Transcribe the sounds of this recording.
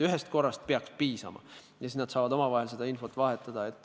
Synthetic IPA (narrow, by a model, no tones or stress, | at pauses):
yɦest̪̚ko̞rːɑst̪̚peɑkspiːsɑ̰mɑ̰ | jɑsisnɑd̪sɑːvɑd̪o̞mɑvɑɦelse̞d̪ɑinfo̞t̪ːˑvɑɦet̪ːˑɑd̪̥ɑe̞t̪ːˑ